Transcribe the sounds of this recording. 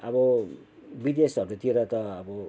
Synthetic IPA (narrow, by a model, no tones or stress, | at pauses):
ʌbʌ | bid̪esɦʌɾut̪ieɾʌt̪ʌːbʌ